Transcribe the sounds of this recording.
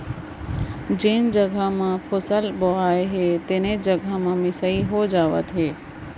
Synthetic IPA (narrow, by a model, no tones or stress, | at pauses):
d͡ʒeːnd͡ʒəɡʱəmãpʰosəlboɦaːeɦeːt̪eːned͡ʒəɡʱəmãmɪsəiɦod͡ʒaːʋə̰t̪ɦeː